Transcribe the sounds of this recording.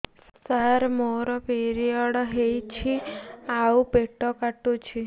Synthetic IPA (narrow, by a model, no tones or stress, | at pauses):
səɾmoɾɔpeɾiɔɽɔɦejt͡ʃʰiaupeʈːɔkaʈːut͡ʃʰi